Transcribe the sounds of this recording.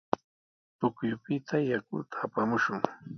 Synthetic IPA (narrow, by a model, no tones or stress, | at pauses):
t̪ʊkjʊpɪt̪ʰajakʊ̰t̪ʰḁːpamʊʃʊŋ